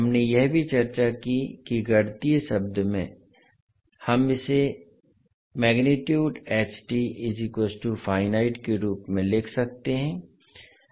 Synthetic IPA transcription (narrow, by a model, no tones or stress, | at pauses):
ɦɐmnejɛɦbʱit͡ʃɐɾt͡ʃakikiɡɐɽt̪isɐb̚d̪ʱmẽ | hɐmɪse | mɛːɡnɪʈjuːɖeːt͡ʃʈiɪzikoːsʈufaːɪnaːɪʈkeɾuːpmẽleːkʰsɐk̚t̪eɦɛ̃ː